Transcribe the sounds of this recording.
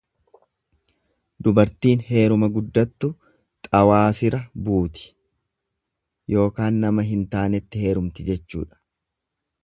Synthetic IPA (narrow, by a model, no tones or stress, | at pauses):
d̪ʊbɐɾt̪iːnhe̞ːɾʊmɐɡʊd̪ːɐt̪ːʊ | t̪ʼɐwaːsɪɾɐbuːt̪ɪ̥ | jʔo̞ːkaːnːɐmɐɦɪnt̪aːnɛt̪ːɪhe̞ːɾʊmt̪ɪd͡ʒɛt͡ʃːṵːᶑɐ̥